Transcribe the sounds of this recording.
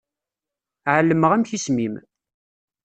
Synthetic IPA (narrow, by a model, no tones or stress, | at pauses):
ʕəlːəməʁæmçismim